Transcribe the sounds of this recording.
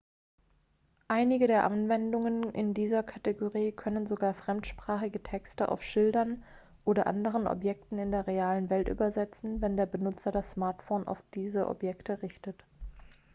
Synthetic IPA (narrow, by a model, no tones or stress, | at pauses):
ʔaɪnɪɡədeːɐʔanvɛndʊŋənʔɪ̰ndiːzɐkʰateɡoʁiːkʰœnənzoɡaːɐfʁ̥ɛmtʃpʁ̥aːχɪɡətʰɛkstəʔa̰ʊfʃɪldɐn | ʔoːdɐʔa̰ndəʁ̞ənʔɔ̰pjɛk̚tn̩ɪndeːɐʁeaːlənvɛltʔy̰ːbɐzɛt͡sn̩vɛndeːɐbənʊt͡sɐdasːmaːɐtfoːnʔa̰ʊfd̥iːzəʔɔ̰pjɛktʰəʁɪçtət